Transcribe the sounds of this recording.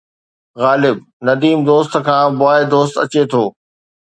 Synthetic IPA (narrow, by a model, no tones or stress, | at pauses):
ɣaːlɪb̚ | nɐd̪iːmd̪oːst̪kʰãːbʊaːed̪oːst̪ɐt͡ɕet̪ʰoː